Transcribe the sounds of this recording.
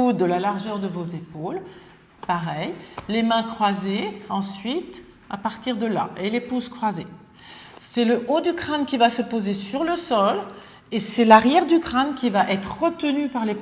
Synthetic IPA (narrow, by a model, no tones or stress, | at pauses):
ud̪əlalaʁʒœʁd̪əvozepol | paʁɛjlemɛ̃kχwazeɑ̃sɥit̪ | a̰paʁt̪iʁd̪əla̰ʔelepuzkχwaze | sɛləʔod̪ykχankʲivasəpozesyʁləsɔl | esɛlaʁjɛʁd̪ykχankʲivaʔɛt̪χəʁət̪ənypaʁle